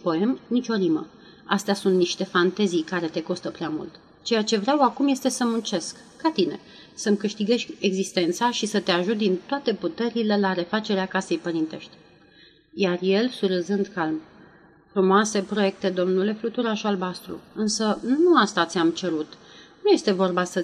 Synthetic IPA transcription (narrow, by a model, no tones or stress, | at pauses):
po̞e̞mnit͡ʃo̞limə̰ | ast̪easunt̪niʃt̪e̞fant̪ezijkaɾe̞t̪e̞ko̞st̪əpɾeamṵlt̪ | t͡ʃe̞jat͡ʃe̞vɾeawakumje̞st̪e̞səmunt͡ʃe̞skːat̪ine̞̰ | səmkɨʃt̪iɡe̞ʃkʲeɡzist̪e̞nt̪saʃisət̪e̞aʒut̪̚d̪int̪oat̪e̞put̪e̞ɾile̞laɾe̞fat͡ʃe̞ɾeakase̞jpəɾint̪e̞̰ʃt̪ʲ | jarje̞lsuɾəzɨnd̪kalm | fɾumoase̞pɾo̞je̞k̚t̪e̞d̪o̞mnule̞flut̪uɾaʃalbast̪ɾṵɨnsənnuast̪at̪sʲamt͡ʃe̞ɾut̪nuje̞st̪e̞vo̞rbasə